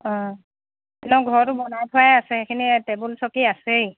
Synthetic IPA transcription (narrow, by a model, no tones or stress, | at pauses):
ɔ̃ | ɛnɛɡʱɔɹtubɔnajtʰʊajasɛekʰinitebulsɔkiasej